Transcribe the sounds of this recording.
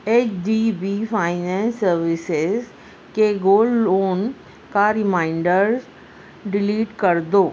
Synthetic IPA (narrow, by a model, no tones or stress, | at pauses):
eːt͡ʃɖiːbiːfʰaːɪnɛ̃nsːəɾʋɪsɪz | keɡoːloːn | kaɾɪmaːɪɳɖəɾz | ɖɪliːʈkəɾd̪oː